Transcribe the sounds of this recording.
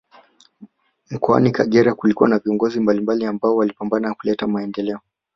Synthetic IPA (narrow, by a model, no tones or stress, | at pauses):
m̩kɔa̰nikaɠɛɾakulikuwanaviɔŋɡɔzimbalimbaliambaɔwalipambananakulɛtamaɛndɛlɛɔ